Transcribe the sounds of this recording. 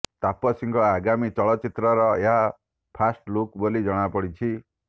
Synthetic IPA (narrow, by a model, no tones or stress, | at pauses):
t̪apɔsiŋkɔaɡamit͡ʃɔɭɔt͡ʃit̪ɾɔɾɔeɦa | pʰasʈlukbolid͡ʒɔɽ̃apɔɽit͡ʃʰi